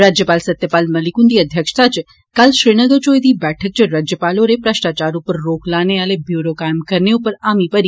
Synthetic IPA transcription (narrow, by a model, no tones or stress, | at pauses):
ɾad͡ʒjəpalsət̪jəpalməlikund̪iəd̪ʱjəkʂt̪at͡ʃ | kalʃɾiɽ̃əɡəɾd͡ʒojd̪ibɛʈʰək̚t͡ʃʰeɾad͡ʒjəpaloɾepɾəʃʈ̪at͡ʃaɾupəɾːoklaneəlebjuɾokajmkəɾneupəɾamipəɾ